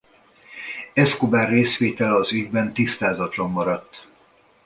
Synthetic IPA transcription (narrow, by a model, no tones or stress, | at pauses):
ɛskobaːrːeːsʋeːt̪ɛlɒzyɟbɛnt̪ist̪aːzɒt̪lɒmːɒɾɒt̪ː